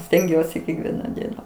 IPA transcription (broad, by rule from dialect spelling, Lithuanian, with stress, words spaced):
sʲtʲɛŋʲˈɡʲuɔsʲɪ kʲɛkˈʋʲiɛnɐ ˈdʲiɛnɐ